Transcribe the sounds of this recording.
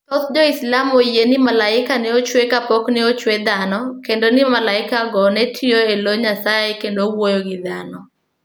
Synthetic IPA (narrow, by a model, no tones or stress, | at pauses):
ɔt̪d͡ʒɔislamojenɪmalaɪkanɛot͡ʃwekapoknɛot͡ʃwed̪anɔkendonɪmalaɪkaɡɔnɛtʰioeloɲasaekendowojoɡɪd̪anɔ